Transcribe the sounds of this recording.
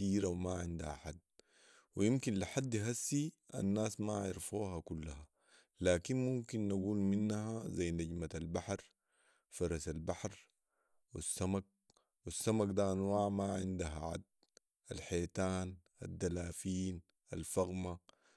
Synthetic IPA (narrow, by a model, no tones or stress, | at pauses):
iːɾawmaʕɪnd̪a̰ha̰ħad̪̚ | wijimkinliħad̪ːjɦasːiʔa̰nːaːsmaʕɪ̰ɾfuːɦakulːaha | laːkinmumkinːaɡuːlminːahazajnaɟmatalbaħɾ | fɑɾˤɑsalbaħɾ | wḭsːamak̚ | wisːamakd̪aʔanwaːʕmaʕɪnd̪aɦaʕa̰d̪̚ | alħeːt̪aːnʔa̰d̪ːalaːfiːn | alfaɣma